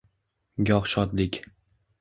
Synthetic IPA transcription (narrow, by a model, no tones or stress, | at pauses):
ɡʲɒχʃɒt̪lɪkʲ